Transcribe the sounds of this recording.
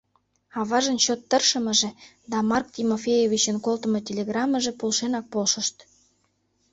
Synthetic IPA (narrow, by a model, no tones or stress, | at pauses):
ɑβɑʒənt͡ɕot̪ːərʃə̆mə̆ʒĕ | d̪ɑmɑrk̚tʲimofʲejevʲit͡ɕənkolt̪ə̆mɤ̆tʲelʲeɣrɑmə̆ʒĕpolʃenɑk̚polʃə̆ʃt̪